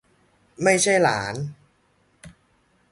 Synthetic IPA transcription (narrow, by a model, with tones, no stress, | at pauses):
ma˥˩jt͡ɕʰa˥˩jlaː˩˦n